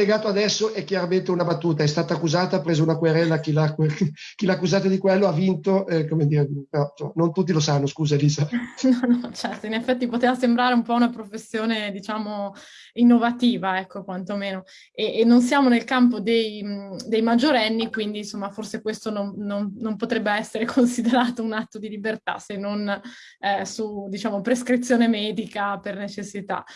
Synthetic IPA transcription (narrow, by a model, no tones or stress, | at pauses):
leɡaːt̪oad̪ɛsːoʔɛkːjaɾament̪eunabat̪ːuːt̪aɛst̪aːt̪aːkːuzaːt̪apɾeːzounakweɾɛlːakilakekilakːuzaːt̪ad̪ikwelːoavint̪oɛkomed̪iːɾeipeɾɔsomanont̪ut̪ːilosanːoskuːzaeliːzanɔnɔt͡ʃɛrt̪oinefːɛt̪ːipot̪eːvasembɾaːɾeumpɔunapɾofesːjoːned̪it͡ʃaːmo | inːovat̪iːvaɛkːokwant̪omeːno | eʔːnːons̬jaːmonelkamp̬od̪ejd̪ejmad͡ʒːoɾɛnːikwind̪insomːaforsekwest̪onomnomnompot̪ɾɛbːeɛsːeɾekʰonsid̪eɾaːt̪ounat̪ːod̪ilibert̪a̰senːon | sud̪it͡ʃaːmopɾeskɾit̪sːjoːnemɛːd̪ikapernet͡ʃesːit̪a̰